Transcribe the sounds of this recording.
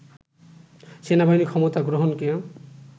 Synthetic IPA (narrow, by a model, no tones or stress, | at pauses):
senabaɦinikʰɔmɔt̪aɡɹoɦɔnke